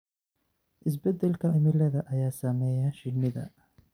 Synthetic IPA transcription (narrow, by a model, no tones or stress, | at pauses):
ʔɪs̬bɛd̪ɛlkʰɐɪmɪlɐðɐʔɐjaːsɐmɛːjɐʃɪnːɪðɐ̰